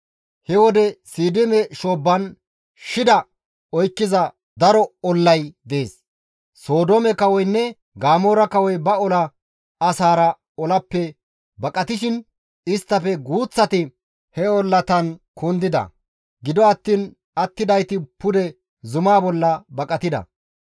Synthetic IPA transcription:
hɛwɔd̪ɛsiːd̪ɪmɛʃoːbːɐn | ʃɪd̪ɐ | ɔjkːɪzɐ | d̪ɐɾɔɔlːɐjd̪eːs | so̞ːd̪oːmɛkɐwɔjnːɛ | ɡaːmoːɾɐkɐwɔjbɐɔlɐ | ɐsaːɾɐ | ɔlɐpːɛ | bɐkʼɐt̪ɪʃɪn | ɪst̪ːɐfɛɡuːt͡sːɐt̪ɪ | hɛɔlːɐt̪ɐnkʰund̪ɪd̪ɐ̰ | ɡɪd̪ɔɐt̪ːiːn | ɐt̪ːɪd̪ɐjt̪ɪpʊd̪ɛ | zʊmaːbɔlːɐbɐkʼɐt̪ɪd̪ɐ̰

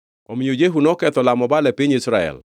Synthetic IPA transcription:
omiojeɦunɔkɛt̪ɔlamɔbalɛpɪɲisɾaɛ̰l

